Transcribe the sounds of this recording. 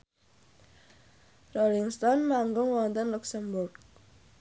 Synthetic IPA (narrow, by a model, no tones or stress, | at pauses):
roliŋst̪ɔnmaŋɡʊŋwɔnt̪ənluksəmbʊrɡ̚